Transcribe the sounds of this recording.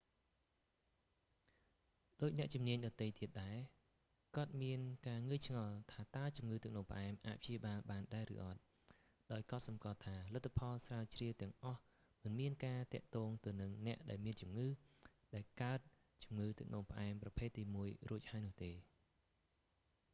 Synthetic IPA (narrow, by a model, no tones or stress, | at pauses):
ɗoːc̚nɛ̆əʔt͡ɕumniəɲɗɑt̪ɨjt̪iət̪̚ɗaɛ | kŏət̪̚miənkaːŋɨəjt͡ɕʰŋɑlt̪ʰaːt̪aət͡ɕumŋɨːt̪ɨk̚ʰnoːŋpə̆ʔaɛmʔaːc̚pʰt͡ɕiəɓaːlɓaːnɗaɛɾɨ̰ːʔɑt̪̚ | ɗaɔjk̆ːt̪̚sɑmkŏəlt̪ʰaːlət̪ʰːapʰɑlsraət͡ɕriət̪ɛ̆əŋʔɑh | mɨnmiənkaːt̪ɛ̆əʔt̪ɔːŋt̪ɨwnɨŋnɛ̆əʔɗaɛlmiənt͡ɕumŋɨːɗaɛlkaət̪̚ | t͡ɕumŋɨːt̪ɨk̚ʰnʔoːŋpə̆ʔaɛmprɑpʰeːt̪ːiːmuəjruəc̚haəjnʊ̆uət̪eː